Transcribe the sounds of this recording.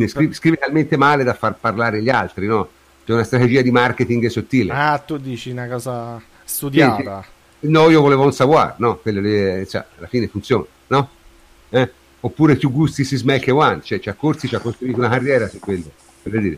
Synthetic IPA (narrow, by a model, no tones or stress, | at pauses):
ineskɾivskɾiːvet̪alment̪emaːled̪afːarparlaːɾeʎialt̪ɾinɔ | t͡ʃɛunast̪ɾat̪ed͡ʒiːad̪imarket̪iŋɡsot̪ːiːleat̪ːud̪ːiːt͡ʃinakɔːza | st̪ud̪saisit̪a | nɔiːovoleːvounsavwa̰ɾnɔkːwelːod̪esa̰alːafiːnefunt̪sjɔːnanɔ | ɛ | opːuːɾepjuɡːust̪isizmɛlkewant͡ʃɛt͡ʃiakːoɾt̪sit͡ʃiakːost̪ɾuiːt̪unakarːjɛːɾasukːwelːo | peɾed̪iːɾe